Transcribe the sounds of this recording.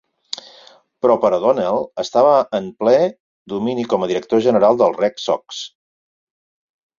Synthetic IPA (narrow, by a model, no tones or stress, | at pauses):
pɾɔpəɾəðonɛlˠəst̪aβəːmplɛ | d̪uminikɔməðiɾək̚t̪oʒənəɾalˠd̪əlˠrɛksɔ̰ks